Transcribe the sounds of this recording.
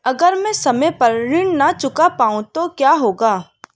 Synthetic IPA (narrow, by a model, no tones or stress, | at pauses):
ɐɡəɾmɛ̃sɐməjpɐɾɾɪɳnat͡ʃʊkapaːũt̪okjaːɦoːɡaː